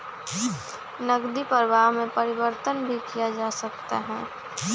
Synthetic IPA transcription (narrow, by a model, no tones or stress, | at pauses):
nɐɡd̪ipəɾʋaːɦmẽpɐɾɪʋəɾt̪ənbʱikijad͡ʒaːsɐkt̪a̰ɦɛː